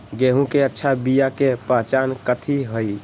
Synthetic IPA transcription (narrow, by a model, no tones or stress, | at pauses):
ɡeɦũkeətːʃʰabijakepəɦt͡ʃankət̪ʰiɦəj